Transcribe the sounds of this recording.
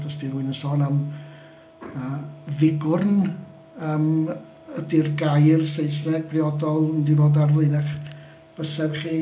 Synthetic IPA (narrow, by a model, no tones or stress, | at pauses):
dɔsdiruɨnəsɔːnam | əːvɪɡʊrn | əːm | ədɪrɡajrsejsnɛɡ̚briɔdɔlˠndivoːdarvlˠenɛχ | b̥əsɛrχiː